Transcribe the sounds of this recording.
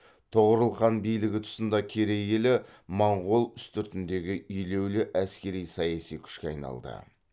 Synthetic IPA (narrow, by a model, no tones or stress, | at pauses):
t̪ʰoʁəɾəlˠqɑnbijlɪɡʲɪt̪ʰʊ̥sənd̪ɑkʲʰeɾejelɪmɑɴʁolˠʏst̪ʏɾt̪ɪnd̪e̞ɡʲɪʏjle̞wlɪʔæskʲe̞ɾijsɑjɑsijkʲʰʏ̥ʃkʲeɑjnɑ̰lˠd̪ə̰